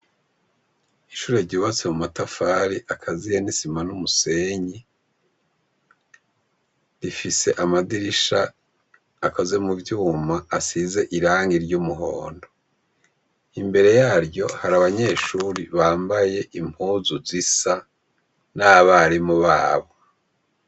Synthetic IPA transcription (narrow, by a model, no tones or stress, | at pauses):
iʃuːɾe̞ɾɟiβat͡se̞mumatafaːɾiʔakʰazijenisimanumuse̞ɲi | ɾifise̞ʔamadiɾiʃaː | kaze̞muvjuːmaːsize̞ʔiɾaːŋɡiɾɟumuɦo̞ːndo̞ | imbe̞ɾe̞jaːɾjɟo̞haɾaβaɲe̞ːʃuːɾiβaːmbaje̞ʔim̥huːzuzisa | naβaɾimuβaːβo